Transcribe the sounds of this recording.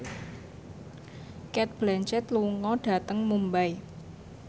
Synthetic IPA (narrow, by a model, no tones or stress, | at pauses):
kɛt̪̚b̥lɛnt͡ʃɛt̪luŋɔɖ̥ä̤t̪əŋmumbaj